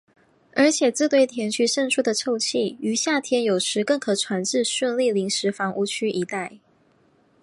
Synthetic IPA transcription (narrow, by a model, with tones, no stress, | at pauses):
ə˞˧˥t͡ɕʰjɛ˨˩t͡sɹ̩˥˧t̪we˥˩ɪt̪ʰjɛ˧˥nt͡ɕʰy˥ʂə˥˧nʈ͡ʂʰu˥˩d̪ə˨ʈ͡ʂʰo˥˧ʊt͡ɕʰi˥˩y˧˥ɕja˥˩t̪ʰjɛ˥njo˨˩ʊʂɻ̩˧˥kɤ˥˩ŋkʰɤ˨˩ʈ͡ʂʰwa˧˥nʈ͡ʂɻ̩˥˧ɕə˥˧nli˥˩li˧˥ŋʂɻ̩˧˥fɑ˧˥ŋʔu˥˧t͡ɕʰy˥ʔi˧˥t̪a˥˩ɪ